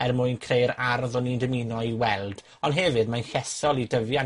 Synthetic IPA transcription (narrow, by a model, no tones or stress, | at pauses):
ɛrmʊɨnkʰrejɾaɾðɔnindəminɔiwɛlˠd̥ | ɔndɦɛvɨdmanɬɛsɔlˠidəvja